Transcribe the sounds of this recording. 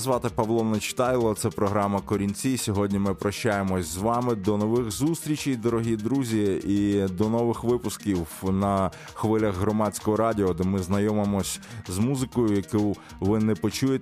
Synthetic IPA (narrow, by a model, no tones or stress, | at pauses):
zʋɑt̪ɪpɐʋlˠɔnɐt͡ʃɪ̥t̪ɑjlˠɔt̪sɛpɾɔɦɾɑmɐkɔɾʲinʲt͡sʲisʲɔɦɔdʲnʲimɪpɾɐʃt͡ʃajemɔsʲzʋɑmɪd̪ɔnɔʋɪxzust̪ɾʲit͡ʃʲijd̪ɔɾɔɦʲid̪ɾuzʲiid̪ɔnɔʋɪxʋɪpʊskʲiwnɐ | xʋɪlʲɐxɦɾɔmɑt͡sʲkɔɦɔɾɑdʲɪɔd̪ɛmɪznɐjɔmemɔsʲzmuzɪkɔjʊjɐku | ʋɪnɛpɔt͡ʃujet̪